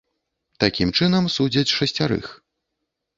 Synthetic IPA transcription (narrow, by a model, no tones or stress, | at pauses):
t̪akʲimt͡ʂɨnɐmsud͡zʲɐt͡sʲʂɐsʲt͡sʲaɾɨ̰x